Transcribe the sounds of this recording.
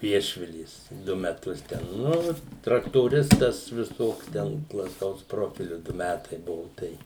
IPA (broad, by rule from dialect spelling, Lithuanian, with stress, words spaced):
ˈʋʲiɛʃʲʋʲɪlʲeːs ˈdʊ mʲɛˈtʊs tʲɛn ˈnʊ trɐktoːˈrʲɪstɐs ʋʲɪˈsoːks ˈtʲɛn plˠɐˈtɐʊs ˈproːfʲɪlʲʊ ˈdʊ ˈmʲætɐɪ ˈbʊʋʊ ˈtɐɪ